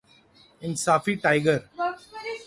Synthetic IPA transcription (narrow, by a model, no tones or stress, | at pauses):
ɪ̃nsaːfiʈaɪɡəɾ